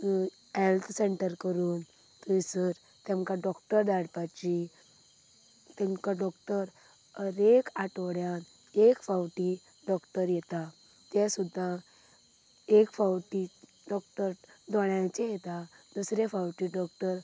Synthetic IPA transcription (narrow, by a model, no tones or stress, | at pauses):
helt̪ʰseɳʈəɾkəɾuːn | t̪əisəɾ | t̪ɛmkãɖɔkʈəɾd̪aɽpat͡ɕi | t̪ɛmkaɖɔkʈəɾ | əɾekaʈɽjan | ekfawʈi | ɖɔkʈəɾjɛt̪a | t̪asud̪ʱːa | ekfawʈi | ɖɔkʈəɾd̪ʱɔɳjãt͡ɕejɛt̪ad̪usɾefawʈiɖɔkʈəɾ